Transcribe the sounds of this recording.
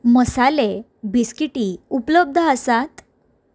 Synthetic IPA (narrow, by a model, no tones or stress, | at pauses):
məsale | biskiʈiupləb̚d̪ʱəasat̪